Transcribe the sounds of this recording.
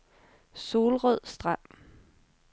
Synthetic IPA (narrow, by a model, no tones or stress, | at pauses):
so̝ːlʁœð̰ˠsd̥ʁɑm̰